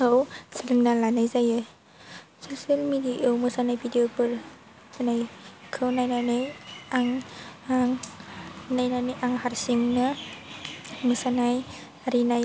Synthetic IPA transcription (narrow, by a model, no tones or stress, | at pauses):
ɯwsilɯmnalanajzajɯ | sosielmidiaʔewmɯsanajbʰʱidiopɯl | sanajkʰɯwnajnanɯjaŋaŋ | najnanɯjʔaŋhaɾsiŋnɯ | mɯsanaj | aɾinaj